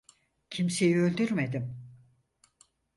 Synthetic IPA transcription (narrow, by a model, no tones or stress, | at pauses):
cʰimse̞jiø̞lʲd̪yɾmed̪im